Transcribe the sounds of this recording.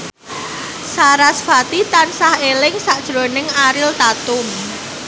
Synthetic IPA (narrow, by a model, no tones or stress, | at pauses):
saɾasfat̪it̪ansahelɪŋsaʔd̥ʒ̥ɾonɪŋaɾɪlt̪at̪ʊm